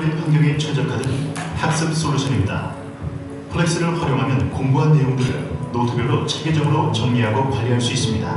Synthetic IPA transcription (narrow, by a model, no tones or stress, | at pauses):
epʰanɡjʌɡet͡ɕʰʌd͡ʑʌkʰadɯnhak̚s͈ɯps͈olːuɕʰʌnit̚t͈a̰ | pʰɯɭːeks͈ɯɾɯɭɸwʌɾjoŋɦamjʌnkoŋbuɦanːe̞joŋdɯɾɯ̰nnotʰɯbjʌɭːot͡ɕʰeɡed͡ʑʌɡɯɾot͡ɕʌŋɲiɦaɡopaʎːiɦaɭs͈uis͈ɯmɲida̰